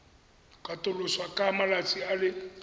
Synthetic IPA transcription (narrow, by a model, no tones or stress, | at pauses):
kʼatʼʊlʊswakʼamalat͡sʼialɪ